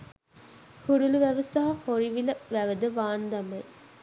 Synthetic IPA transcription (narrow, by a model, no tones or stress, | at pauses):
huɾuluʋæʋɐsɐɦɐhoɾiʋilɐʋæʋəd̪əʋaːnd̪ɐme